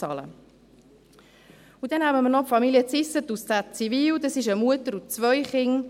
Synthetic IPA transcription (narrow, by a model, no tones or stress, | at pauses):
ɑlə̰ | udɛnhæbəmənɔpfɑmiliət͡sɪsət̪ustæt͡siviːwd̪əsɪʃəmuətəɾut͡sʋœjχɪŋ